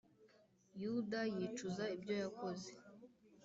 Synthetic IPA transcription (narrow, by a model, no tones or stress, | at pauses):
judajit͡ʃuzaibjo̞jako̞ze̥